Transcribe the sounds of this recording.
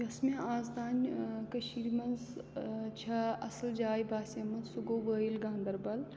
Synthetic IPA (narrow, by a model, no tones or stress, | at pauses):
jɐsmeaːzd̪aːnʲkɐʃiɾmɐnz | t͡ʃʰɐɐsld͡ʒaːjbaːsɐmɐnzsuɡoːbəːjilɡãːnd̪ɐɾbɐl